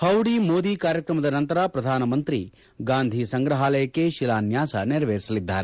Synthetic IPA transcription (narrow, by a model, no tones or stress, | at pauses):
hɐwɽiːmoːd̪iːkaːɾjɐkɾɐmɐd̪ɐnɐnt̪ɐɾapɾɐd̪ʱaːnɐmɐnt̪ɾi | ɡaːnd̪ʱisɐŋɡɾɐɦaːlɐjɐkːeʃilaːnjaːsɐ̰niɾɐʋeːɾisɐlid̪ːa̰ːɾe